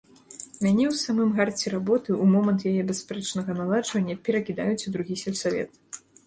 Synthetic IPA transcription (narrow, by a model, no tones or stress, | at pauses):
mʲanʲɛwsamɨmɣart͡sʲɛɾabɔt̪ɨʔumɔmɐnt̪jajɛbʲɛspɾɛt͡ʂnɐɣɐnalˠad͡ʐvɐnʲːɐpʲɛɾɐkʲid̪a̰jut͡sʲud̪ɾuɣʲisʲɛlʲsavʲɛ̰t̪